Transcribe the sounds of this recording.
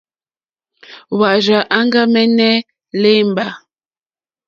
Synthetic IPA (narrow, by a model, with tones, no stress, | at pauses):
wa˨ʒa˨ʔa˦ŋɡa˦mɛ˦nɛ˦ | le˦m˨ba˨